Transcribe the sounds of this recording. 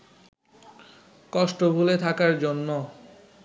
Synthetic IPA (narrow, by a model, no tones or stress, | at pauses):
kɔʃʈobʱulet̪ʰakaɾd͡ʑonːo